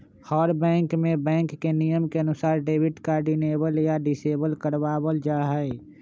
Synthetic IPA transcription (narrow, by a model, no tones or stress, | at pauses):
hɔːɾbɛ̃ːŋkmẽbɛ̃ːŋkːenijəmkeənʊsaːɾɖeːbɪʈkaːɾɖineːbəljaɖɪseːbəlkəɾʋaːbəld͡ʒaɦɛe